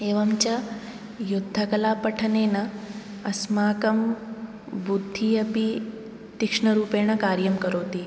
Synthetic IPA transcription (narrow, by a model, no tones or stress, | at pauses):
eːʋɐmt͡ʃɐ | jʊd̪ʱːɐkɐlaːpɐʈʰɐneːnɐ | ɐsmaːkɐm | bud̪ʱːiɐpi | t̪ikʂɳɐɾuːpeːɳ̃ɐkaːɾjɐmkɐɾoːt̪i